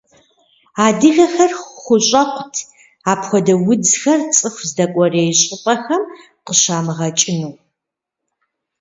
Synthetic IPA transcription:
aːdɨɣɐxɐrχʷʊɕʼɐqʷʰʊtʰ | aːpxʷɔdɐwʊd͡zxɐrt͡sʼɨxʷzdɐkʷʼɔreːjɕʼɪpʼɐxɐm | qəɕaːmɨʁɐt͡ʃʼɪnuw

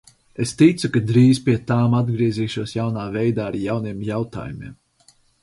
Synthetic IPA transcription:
est̪it̪sukad̪ɾiːzpʲiɛt̪aːmad̪ɡɾiɛziːʃuɔsjawnaːvɛjd̪aːaɾjawniɛmjawt̪a̰ːjumiɛm

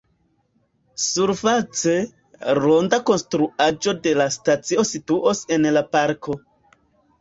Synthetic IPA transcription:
suɾfat͡se | ɾo̞ndako̞nstɾuad͡ʒo̞de̞lastat͡sio̞situʔose̞nlapaɾkʰo̞

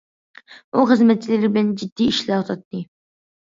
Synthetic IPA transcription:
uχəzmɛt̪̚t͡ʃʰːilɪɾɪbɪlænd͡ʒid̪ːiiʃlɑt̪ʰɑt̪ʰːɨ

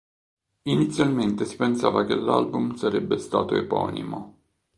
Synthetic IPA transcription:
init̪sːjalment̪esi̥pensa̰ːvakelːa̰lbumsaɾebːest̪a̰ːt̪oepɔ̰nḭmo

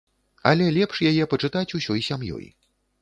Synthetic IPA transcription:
ɐ̰lʲɛlʲɛpʂjajɛpɐt͡ʂɨt̪at͡sʲusʲɔjsʲamjɔ̰j

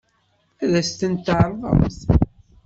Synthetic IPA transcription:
æðæst̪ənt̪ʕɾˤðˤə̰mθ

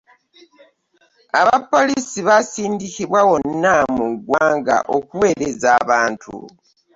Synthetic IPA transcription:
aβapːo̞lisiβasiːndikiβwawo̞nːamuɡwaːŋɡa̰ʔo̞kuwe̞ːɾe̞zaːβaːntʰṵ

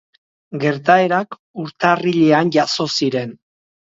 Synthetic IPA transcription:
ɡe̞ɾt̪ae̞ɾak | uɾt̪ariʎe̞anʝaso̞siɾe̞n

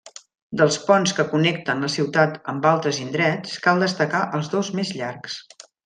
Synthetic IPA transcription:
d̪əlˠspɔnskəkunɛk̚t̪ənləsiwt̪at̪əmbalˠt̪ɾəzind̪ɾɛt͡skalˠd̪əst̪əkaʔəlˠzðozmezʎarks

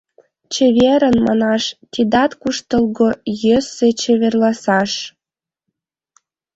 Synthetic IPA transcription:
t͡ɕeβeɾə̆nmɑ̰nɑʃt̪ʲid̪ɑt̪kuʃt̪əlɣojøset͡ɕeβerlɑsɑʃ

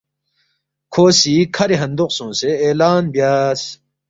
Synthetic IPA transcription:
kʰoːsiːkʰɐɾeɦɐ̃nd̪uqsõːseːlaːnbjaːs

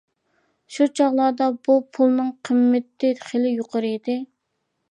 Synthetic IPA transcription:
ʃut͡ʃʰɑʁlˠɑːd̪ɑbupʰulˠnɨŋqʰəmːɪt̪ːɪχelɪjoqʰəɾɨid̪ɪ

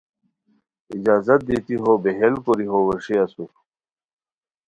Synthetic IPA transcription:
id͡ʑaːzɐt̪̚d̪it̪iɦobeɦelkoɾiɦowəʂiasu

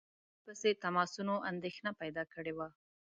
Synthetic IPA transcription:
pəset̪amɑsunoʔand̪exnapajd̪ɑkəɽewa

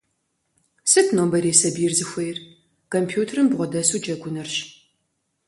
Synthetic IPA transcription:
sɨtʰnoːmbɐɾeːsɐbijɪrzɨxʷɐjr | kʰompʰjuːtʰɐrɨmbʁʷɔdɐsuːd͡ʒɐɡʷʊnɐrɕ

